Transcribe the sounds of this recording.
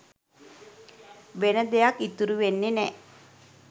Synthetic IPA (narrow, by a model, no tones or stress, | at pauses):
ʋenəd̪ejakːit̪uɾuʋenːenɛ